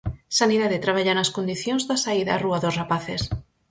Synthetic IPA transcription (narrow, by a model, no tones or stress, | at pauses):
saniðaðet̪ɾaβ̞aʎanaskond̪iθjõnzðasaiðaːruaðosrapaθes